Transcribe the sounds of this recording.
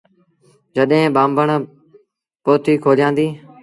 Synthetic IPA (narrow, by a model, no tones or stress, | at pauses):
d͡ʒəɗɦẽːɓãːmbəɳ | poːt̪iːkʰoːd͡ʒjãːnd̪iː